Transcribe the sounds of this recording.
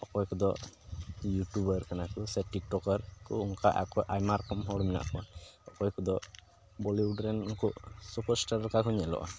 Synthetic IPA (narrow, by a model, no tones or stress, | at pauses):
ɔkɔjkɔd̪ɔ | juʈubəɾkanakusɛʈik̚ʈɔkəɾkɔuŋkaʔa̰kɔjʔajmaɾkɔmɦɔɽumina̰ʔkɔnɔkɔjkɔd̪ɔ | bɔliuɖɾɛnuŋkɔʔsupɔɾsʈaɾalkakʰɔɲɛlɔ̰ʔa̰